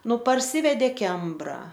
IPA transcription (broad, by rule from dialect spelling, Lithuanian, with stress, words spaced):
ˈnʊ pɐrʲˈsʲiːʋʲɛdʲeː ˈkʲɛmbrɐ